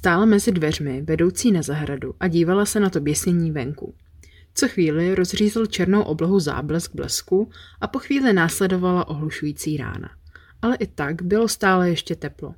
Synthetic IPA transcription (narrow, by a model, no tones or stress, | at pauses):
st̪aːlamɛzɪdvɛr̝mɪvɛdo̞wt͡siːnazaɦɾaduʔaɟiːvalasɛnat̪o̞bjɛsɲɛɲiːvɛŋkṵ | t͡soxviːlɪɾo̞zr̝iːzɪlt͡ʃɛɾnowʔo̞bloɦuza̰ːblɛsɡ̚blɛ̰skuʔapo̞xviːlɪnaːslɛdo̞valaʔo̞ɦluʃujiːt͡siːɾa̰ːna̰ | ʔalɛʔɪt̪aɡbɪlo̞st̪aːlɛjɛʃcɛt̪ɛplo̞̰